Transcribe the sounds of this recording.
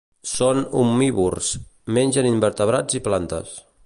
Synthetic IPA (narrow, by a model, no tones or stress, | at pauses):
sonṵmːiβursmenʲd͡ʒənimbəɾt̪əβ̞ɾad͡ziplant̪ə̰s